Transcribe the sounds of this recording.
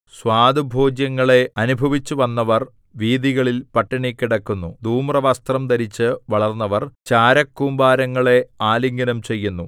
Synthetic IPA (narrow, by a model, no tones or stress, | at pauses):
swaːd̪ɨbʱo̞ːd͡ʑjɐŋːɐɭe̞ɐnubʱɐʋit͡ɕːuʋɐnːɐʋɐr | ʋiːd̪iɣɐɭilpɐʈːiɳikʲːiɽɐkːunːud̪ʱuːmrɐʋɐst̪rɐmt̪ɐɾit͡ɕːɨʋɐɭɐrnːɐʋɐrt͡ɕaːɾɐkːumbaːɾɐŋːɐɭe̞aːliŋɡɐnɐmt͡ɕe̞jːunːu